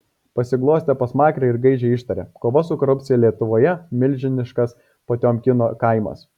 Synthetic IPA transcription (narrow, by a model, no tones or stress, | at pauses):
pɐsʲɪɡlˠuːsʲt̪ʲɛpɐsmɑːkɾʲɛɪɾɡɐɪd͡ʒʲɛɪʃt̪ɐɾʲḛkoːʋɐsʊkɔːɾʊpʲt̪sʲɪjɛlʲiɛt̪ʊʋoːjɛmʲɪlʲʒʲɪnʲɪʃkɐs | pɐt̪ʲoːmʲkʲɪnoːkɐɪmɐ̰s